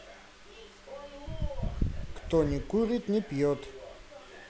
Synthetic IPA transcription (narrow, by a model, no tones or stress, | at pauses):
kt̪ɔnʲɪkuɾʲit̪nʲɪpjɔt̪